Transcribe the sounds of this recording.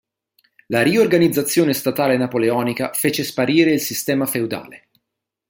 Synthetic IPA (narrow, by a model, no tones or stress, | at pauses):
laɾiorɡanid̪zːat̪sːjoːnest̪at̪aːlenapoleɔːnikafeːt͡ʃespaɾiːɾeilsist̪ɛːmafewd̪a̰ːle